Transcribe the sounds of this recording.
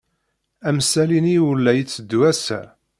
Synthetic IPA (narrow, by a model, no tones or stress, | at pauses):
æmsæliniwəlːæjit͡sːəd̪ːwæsæ̰